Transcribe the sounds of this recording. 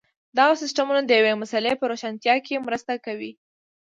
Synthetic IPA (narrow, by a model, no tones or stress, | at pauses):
d̪aɣasɪsʈamunad̪əjawemasalepəɾoʃant̪jɑkemɾəst̪akawi